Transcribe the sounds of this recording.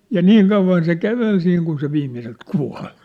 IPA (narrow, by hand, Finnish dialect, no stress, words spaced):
jɑ niːŋ kɑuʋˑɑn se kæʋel siːŋ kun se ʋiːmːiselt kuɑ̝l̥